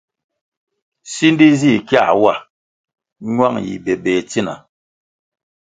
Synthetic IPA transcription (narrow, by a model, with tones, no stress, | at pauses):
si˦n˦di˦zi˦˨kja̰˦˨wa˦˨ | ɲwa˦˨ŋjḭ˨bɛ˨bɛ˨ti˦na̰˨